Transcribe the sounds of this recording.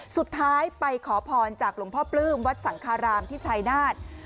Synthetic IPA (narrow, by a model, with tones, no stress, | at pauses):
su˨˩t̪ʰːaː˦˥jpa˧jkʰɔː˩˦pʰɔː˧nt͡ɕaː˨˩k̚lu˩˦ŋpʰɔː˥˩plɯː˥˩mwa˦˥t̪̚sa˩˦ŋkʰaː˧ɾaː˧mt̪ʰiː˥˩t͡ɕʰaː˧jnaː˥˩t̪̚